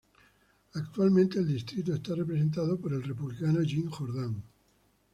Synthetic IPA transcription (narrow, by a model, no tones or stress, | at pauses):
akt̪ualmẽnt̪e̞ːld̪ist̪ɾit̪̬oest̪are̞pɾe̞s̬e̞nt̪að̞opo̞ɾe̞lre̞puβlikano̞ʝiŋxo̞ɾð̞aŋ